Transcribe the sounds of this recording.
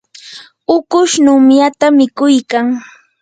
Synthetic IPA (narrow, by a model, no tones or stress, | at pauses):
ʊkʊʃnʊmjat̪amɪkʊjkaŋ